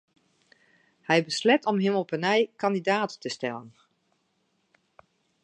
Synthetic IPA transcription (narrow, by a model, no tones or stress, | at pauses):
hɛjbəslɛtɔmɦɪməlˠpənɛjkɑndidaːtːəstɛlˠən